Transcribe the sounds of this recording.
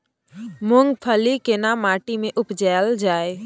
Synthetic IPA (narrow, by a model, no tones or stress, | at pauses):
muŋɡpʰəlikenamaːʈimẽʔʊpd͡ʒald͡ʒaːe